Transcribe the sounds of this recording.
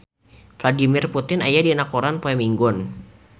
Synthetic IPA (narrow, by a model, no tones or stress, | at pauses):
fladimɪrput̪ɪna̰jadiɛnakoɾanpoɛmiŋɡɔn